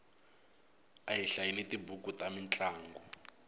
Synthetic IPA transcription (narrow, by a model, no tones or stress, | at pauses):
aɦiɬajiletibukutamint͡ɬʼaːŋɡɔ